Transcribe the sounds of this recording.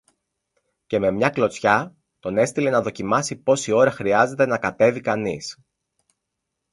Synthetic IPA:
ce̞me̞mɲɐklo̞t͡sçɐ | t̪o̞ne̞st̪ile̞nɐðo̞cimɐsipo̞sio̞ɾɐxɾiɐze̞t̪e̞nɐkɐt̪e̞vikɐnis

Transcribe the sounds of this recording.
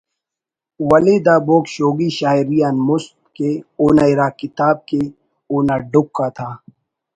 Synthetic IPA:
wɐlid̪aːboːkʃoːɡiʃaːiɾijaːnmʊsp̚keoːnaiɾaːkɪt̪aːb̚ke | oːnaːɖʊkːat̪ʰaː

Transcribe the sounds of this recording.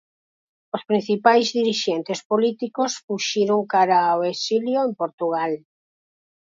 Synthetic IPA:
ospɾinθipajzðiɾiʃɛnt̪espolit̪ikosfuʃiɾoŋkaɾaoesiljoempoɾt̪uɣ̞al

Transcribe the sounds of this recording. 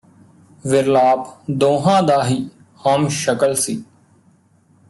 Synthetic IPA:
ʋɪɾlaːpd̪oːɦãːd̪aːɦiː | həmʃəkəlsiː

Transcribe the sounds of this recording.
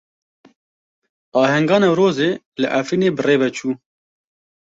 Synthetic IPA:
ɑːɦɛŋɡɑːnɑːɾoːzeː | lɨʔafɾiːneːbɨreːvɛt͡ʃʰuː

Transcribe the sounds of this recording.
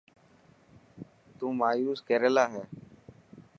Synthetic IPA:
t̪ũːmaːjuːskɛːɾelaːɦɛː

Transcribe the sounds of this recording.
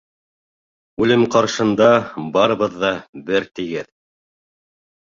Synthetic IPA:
ʉlɘmqɑɾʃɤ̆nd̪ɑbɑɾɤ̆βɤðːɑbɘɾt̪ɘ̆ɡɘð

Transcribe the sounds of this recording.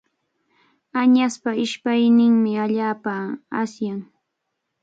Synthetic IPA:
aɲaspaɪʃpajnɪŋmɪaʎaːpaːsjaŋ

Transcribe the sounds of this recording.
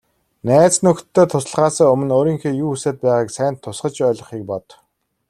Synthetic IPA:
næːt͡snɵkt̪ʰːeːt̪ʰʊsə̆ɮʁaːsaːɵmɵ̆noːɾiːŋxeːjuːuseːt̪̚pæːʁaːksæːnt̪ʰːʊsɢə̆t͡ɕœːɮɞ̆χiːk̚pɔt̪

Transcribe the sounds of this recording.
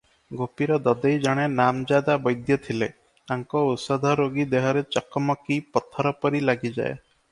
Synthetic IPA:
ɡʱopiɾɔd̪ɔd̪ejd͡ʒɔɽ̃enamd͡ʒad̪abɔjd̪jɔt̪ʰile | aŋkɔut̪sɔd̪ʱɔɾoɡid̪eɦɔɾet͡ʃɔkɔmɔkipɔt̪ʰɔɾɔpɔɾilaɡid͡ʒa̰e

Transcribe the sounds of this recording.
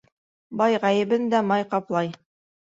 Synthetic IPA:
bɑjʁæjɘ̆bɘnd̪æmɑjqɑplˠɑj

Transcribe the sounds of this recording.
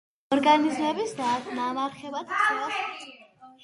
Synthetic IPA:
ɔɾɡanizmɛbisd̪anamaɾχɛbat̪ʰʼɛlˠas

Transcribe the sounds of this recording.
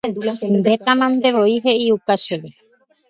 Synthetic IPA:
ndet̪amãnd̪eβoiɦeiukaseβe

